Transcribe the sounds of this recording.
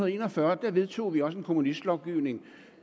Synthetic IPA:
nð̩ˠe̝ːnɒfɶɐd̥æɐʋe̝ð̞ˠt͡sʰo̝̰ːʋiɒ̽səe̝nkʰo̝munisd̥lɒʊɡ̥iʊ̰ne̝ŋ

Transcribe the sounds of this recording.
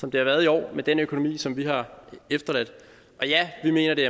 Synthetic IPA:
sɒ̽md̥e̝hɑ̈ʋæːɐð̞ˠiɒ̰ːmed̥enøkʰo̝no̝mḭːsɒ̽mʋiɦɑ̈efd̥ɐlæd̥ | ʔɒ̽jæʋime̝̰ːnɐd̥e̝æɐ

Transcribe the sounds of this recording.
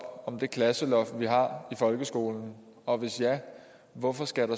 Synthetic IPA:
ɒ̽md̥e̝kʰlæsəlɒfʋiɦɑ̈ifɒ̽lɡ̥əsɡ̥o̝ːln̩ | ɒ̽ʋe̝sjæ | ʋɒfɒ̽sɡ̥æɾ̥ɑ

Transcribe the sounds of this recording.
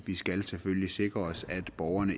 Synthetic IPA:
ʋisɡ̥ælseføllise̝ɡ̥ʁɐɒ̽sæd̥b̥ɒʊɐnə

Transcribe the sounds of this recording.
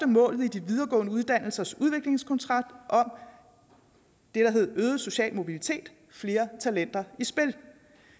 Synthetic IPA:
d̥əmɔ̰̽ːlð̞̩ˠid̥iʋið̞ˠɐɡ̥ɔ̰̽ːnəuð̞ˠd̥æn̰l̩sɐsuð̞ˠʋe̝ɡ̥le̝ŋskʰɒnt͡sʰʁɑ̈d̥ʔɒ̽m | d̥e̝ɾ̥ɑ̈ɦe̝ð̞̩ˠøːð̩ˠso̝ɕɛ̰ːlmo̝b̥ilit͡sʰe̝̰ːd̥ | fle̝ːɐt͡sʰælen̰d̥ɐisb̥e̝l

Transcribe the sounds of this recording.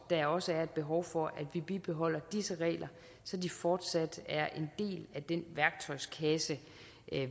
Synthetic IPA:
d̥æɒ̽səæɐe̝d̥̚b̥e̝ɦɒʊfɒ̽ʔæd̥ʋib̥ib̥e̝ɦɒ̽l̰ɐd̥isəʁɛ̰ːlʔɐ | sɒ̽difɒːd̥sæd̥æɐʔe̝nd̥e̝̰ːlæd̥enʋæɐɡ̥̚t͡sʰɒ̽ɪskʰɛsə

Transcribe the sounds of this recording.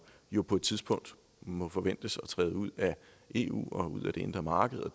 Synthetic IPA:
jo̝pʰɒ̽e̝d̥̚t͡sʰiðˠsb̥ɔ̽ŋ̰d̥ | mɒ̽fɒ̽ʋen̰d̥əsɒ̽t͡sʰʁɛ̰ːðˠəuð̰ˠæ | ʔe̝ṵːɒ̽uð̰ˠæd̥e̝e̝nd̥ʁɐmɑ̈ːɡ̥əð̩ˠɒ

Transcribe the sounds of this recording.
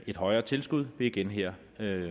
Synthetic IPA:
e̝d̥ɦɒ̽ɪɐːt͡sʰe̝lsɡ̥uð̞̰ˠʋe̝iɡ̥enɦeɐ̰ | ø

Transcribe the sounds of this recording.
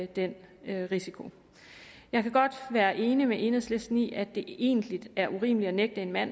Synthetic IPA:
d̥en̰øʁisikʰo̝ | jɑ̈ɪkʰæɡ̥ɒ̽d̥ʋæːɐʔe̝ːnimeʔe̝nəslesd̥nḭːæd̥e̝e̝̰ːnd̥lid̥æɐʔuʁḭːməliɒneɡ̥̚d̥əe̝nmæn̰

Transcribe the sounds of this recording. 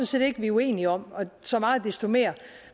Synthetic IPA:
nse̝̰ːd̥e̝ɡ̥əʋiue̝̰ːniɒ̽m̰ɒ̽sɒ̽mɑ̈ːð̩ˠd̥esd̥o̝me̝̰ːɐ

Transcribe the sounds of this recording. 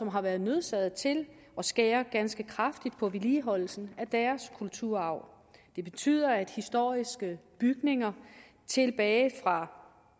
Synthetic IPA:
sɒ̽mɦɑ̈ʋæɐð̩ˠnø̝ð̞ˠsɛð̩ˠt͡sʰe̝l | ɒ̽sɡ̥ɛ̰ːɐɡ̥ænsɡ̥əkʰʁɑ̈fd̥id̥̚pʰɒ̽ʋiliːɦɒ̽l̰l̩sn̩æd̥æːɐskʰult͡sʰuɐ̰ɑ̈ʊ̰ | d̥e̝b̥e̝t͡sʰy̰ːð̰ˠɐæd̥hisd̥o̝ɐ̰isɡ̥əb̥yɡ̥ne̝ŋɐ | t͡sʰe̝lb̥ɛːɪfʁɑ̈

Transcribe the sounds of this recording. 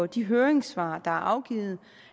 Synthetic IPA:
ɒd̥iɦøːɐeŋsʋɑ̰̈ːd̥ɑ̈æɐʔɑ̈ʊɡ̥ḭːð̩ˠ

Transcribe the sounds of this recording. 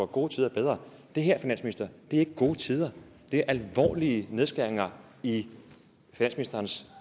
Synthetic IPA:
ɒɡ̥o̝ːt͡sʰiːð̞ˠɐb̥eð̞ˠʁɐ | d̥e̝ɦæɐ̰finæ̰nsminisd̥ɐd̥e̝æɐe̝ɡ̥əɡ̥o̝ːt͡sʰið̞ˠɐ | d̥e̝æɐʔælʋɒ̰ːliəne̝ð̞ˠsɡ̥æɐeŋɐ | i | finæn̰sminisd̥ɐːns

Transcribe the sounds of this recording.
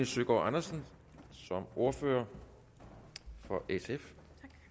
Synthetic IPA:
əsøɡ̥ɒ̰ʔɑnɐsən | sɒ̽mo̝ɐfø̰ːɐ | fɒ̽ʔesef

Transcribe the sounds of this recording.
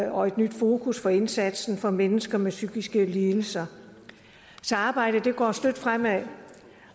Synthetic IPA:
ɒ̽e̝d̥nyd̥fo̝ːkʰusfɒ̽e̝nsæd̥sn̩fɒ̽menəsɡ̥ɐmesyɡ̥isɡ̥əliːl̩sɐ | sɒɑ̈ːb̥ɑ̈ɪ̰ɾ̥əd̥e̝ɡ̥ɒ̰ːsd̥ød̥fʁam̰æ

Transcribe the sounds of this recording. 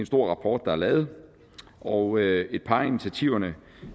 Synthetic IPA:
ensd̥o̝ɐ̰ʁɑ̈pʰɒ̰ːd̥ːɑ̈æɐlɛːð̞̩ˠ | ʔɒøe̝d̥̚pʰɑ̈init͡sʰæt͡sʰiʊ̰ɐnə

